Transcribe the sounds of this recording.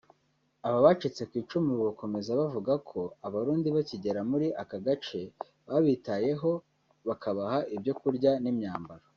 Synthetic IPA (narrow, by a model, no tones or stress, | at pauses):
aβaβat͡ʃit͡se̞kwiːt͡ʃumiβako̞me̞zaβavuɡakʰo̞aβaɾuːndiβaciɟe̞ɾamuɾiʔakaɡat͡ʃe̞ | βaβiːtaje̞ɦo̞ | βakʰaβahaʔibjo̞kuɾɟanimɲaːmbaɾa